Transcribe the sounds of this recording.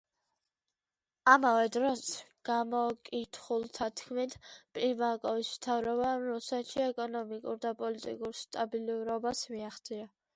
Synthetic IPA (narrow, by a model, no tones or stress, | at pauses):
amavɛd̪ɾɔsɡ̥amɔkʼit̪ʰχulˠt̪ʰat̪ʰkʰmit̪ʰpʼlimakʼɔvismt̪ʰavɾɔbaːmɾusɛt̪ʃiɛkʼɔnɔmikʼṵɾd̪apʼɔlit̪ʼḭkʼuɾst̪ʼabilɾɔbasmiaχt̪zʼia